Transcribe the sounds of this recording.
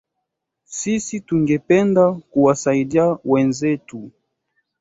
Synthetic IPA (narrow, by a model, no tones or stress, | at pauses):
sisituŋɡɛpɛndakuwasaiɗiawɛnzɛtu